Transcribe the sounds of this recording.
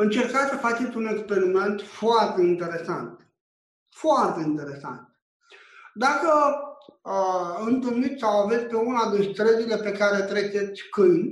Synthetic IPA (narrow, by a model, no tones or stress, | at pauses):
ɨnt͡ʃeɾkasəfat͡ʃet͡sʲunekspeɾiment̪foart̪eint̪eɾesant̪ | foart̪eint̪eɾesa̰nt̪ | d̪akə | ɨnt̪ɨlmit̪sawavet͡sʲpeunad̪inst̪ɾəd̪ilepekaɾet̪ɾet͡ʃesʲkɨjnʲ